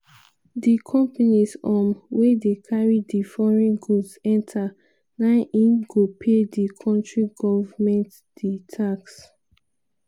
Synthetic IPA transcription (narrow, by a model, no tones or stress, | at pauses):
dikʰɔ̃mpanisɔmwedekʰaɹidifɔɹɛ̃nɡusɛ̃ntʰa | nãɪnʔĩnɡopʰedikʰɔ̃ntɹiɡɔvamɛ̃nt | d̥itʰaks